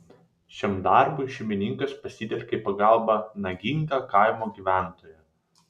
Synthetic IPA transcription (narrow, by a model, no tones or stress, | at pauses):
ʃʲɛmd̪ɑˑɾbʊɪʃʲɪmʲɪnʲɪŋkɐspɐsʲɪt̪ʲɛlʲkʲɛipɐɡɐlˠbɐnɐɡʲɪŋɡɑːkɐɪmoːɡʲiːʋʲæˑnt̪oːjɛ